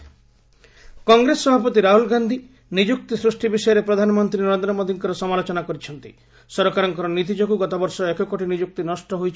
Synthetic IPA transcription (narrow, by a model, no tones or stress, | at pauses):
kɔŋɡɾesːɔbʱapɔt̪iɾaɦulɡand̪ʱi | nid͡ʒuk̚t̪isɾusʈibisɔjɔɾepɾɔd̪ʱanɔmɔnt̪ɾinɔɾend̪ɾɔmod̪ʱiŋkɔɾɔsɔmalot͡ʃɔnakɔɾit͡ʃʰɔnt̪i̥̰ | sɔɾkaɾɔŋkɔɾɔnit̪̬id͡ʒoɡuɡɔt̪abɔɾsɔekɔkoʈinid͡ʒuk̚t̪inɔsʈɔɦojt͡ʃʰ